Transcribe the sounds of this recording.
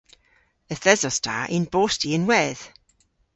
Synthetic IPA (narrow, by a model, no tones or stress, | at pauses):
əθɛzɔstʰa̰ʔɪnboːstiənwɛð̥